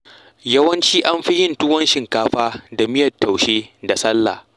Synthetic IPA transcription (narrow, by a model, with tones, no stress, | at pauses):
jɐ˦wɐ˦nt͡ʃiː˦ʔa˦mɸi˦jɪ˦˨ntʊ˦wɐ˦nʃɪ˨ŋkaː˦ɸaː˦da˨mɪ˦jɐ˨tːa˨wʃeː˦da˨sɐ˦lːa̰ː˨